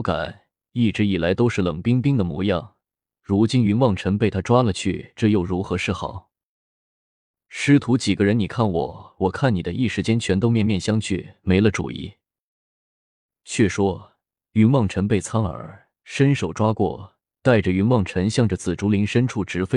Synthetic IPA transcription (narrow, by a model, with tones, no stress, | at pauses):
ka̰˨˩˦n | i˥˩ʈ͡ʂɻ̩˧˥i˨˩la˧˥ɪt̪o˥ʊʂɻ̩˥˩lɤ˨˩ŋpi˥ŋpi˥ŋd̪ə˨mwṵ˧˥jɑ˥˩ŋ | ɻu˧˥t͡ɕi˥ny˧˥nwɑ˥˩ŋʈ͡ʂʰə˧˥ŋpe˥˩ɪt̪ʰa˥ʈ͡ʂwa˥lə˨t͡ɕʰy̰˥˩ʈ͡ʂɤ˥˧jo˥˩ʊɻu˧˥xɤ˧˥ʂɻ̩˥˩xɑ̰˨˩˦ʊ | ʂɻ̩˥t̪ʰu˧˥t͡ɕi˨˩ɡə˦ɻə˧˥ni˨˩kʰa˥˩nwɔ̰˨˩˦wɔ˨˩kʰa˥˩ni˨˩d̪ə˦ʔi˥˧ʂɻ̩˥˩t͡ɕjɛ˥nt͡ɕʰɥɛ˧˥nt̪o˥˧ʊmjɛ˥˧nmjɛ˥˩nɕjɑ˥ŋt͡ɕʰy̰˥˩me˧˥ɪlə˧ʈ͡ʂṵ˨˩ḭ˧˥ | t͡ɕʰɥɛ˥˩ʂwɔ˥ | y˧˥nwɑ˥˩ŋʈ͡ʂʰə˧˥npe˥˩ɪt͡sʰɑ˥ŋə̰˞˧˥ | ʂə˥nʂo˨˩ʊʈ͡ʂwa˥kwɔ̰˥˩ | t̪a˥˩ɪʈ͡ʂə˩y˧˥nwɑ˥˩ŋʈ͡ʂʰə˧˥ŋɕjɑ˥˧ŋʈ͡ʂə˩t͡sɹ̩˨˩ʈ͡ʂu˧˥li˧˥ŋʂə˥nʈ͡ʂʰu˥˩ʈ͡ʂɻ̩˧˥fe˥ɪ